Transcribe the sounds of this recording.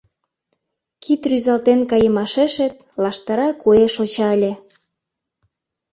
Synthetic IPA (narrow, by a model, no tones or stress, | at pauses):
kʰit̪ryzɑlt̪enkɑjəmɑʃeʃet̪̚ | lɑʃt̪ɑɾɑkueʃot͡ɕɑəlʲe